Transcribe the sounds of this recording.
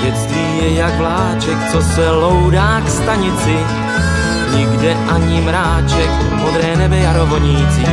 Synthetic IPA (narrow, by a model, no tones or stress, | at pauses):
jɛt͡st̪viːjɛjaɡvlaːt͡ʃɛkt͡sosɛlo̞wdaːkst̪aɲɪt͡sɪ | ɲɪɡdɛʔaɲɪmɾaːt͡ʃɛk | mod̪ɾɛːnɛbɛjaɾo̞voɲiːt͡sɪ